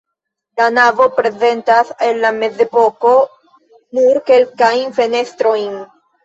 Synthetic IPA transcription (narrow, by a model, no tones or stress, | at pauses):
lanavo̞pɾe̞ze̞ntase̞nːame̞ze̞po̞ko̞ | nuɾke̞lkajnfe̞ne̞stɾo̞jn